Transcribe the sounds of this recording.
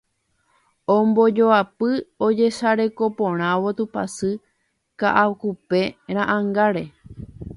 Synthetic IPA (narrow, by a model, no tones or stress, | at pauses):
õmbo̞d͡ʒo̞apɨo̞d͡ʒe̞ʃaɾe̞ko̞põ̞ɾ̃ãʋo̞t̪upasɨ | kaʔawkupe̞ɾ̃ãʔãŋɡaɾe̞